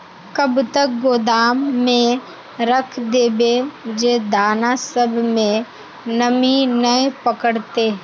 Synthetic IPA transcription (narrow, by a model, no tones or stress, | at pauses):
kəbt̪ək̚ɡoːd̪aːmːẽ | ɾəkʰd̪eːbed͡ʒeːd̪aːnasəbʱmẽ | nəminəepəkəɽt̪eː